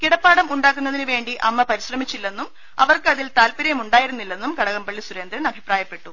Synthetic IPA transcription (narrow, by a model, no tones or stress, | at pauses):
kiɽɐpːaːɽɐmuɳɖaːkːunːɐðinɨʋe̞ːɳɖiʔɐmːɐpɐɾiɕrɐmit͡ɕːilːe̞nːum | ɐ̰ʋɐrkɨɐðilt̪aːlpiɾɐjɐmuɳɖaːjiɾunːilːe̞nːumkɐɽɐɣɐmpɐɭːisuɾe̞ːnd̪ɾɐnɐbʱipraːjɐpːe̞ʈːu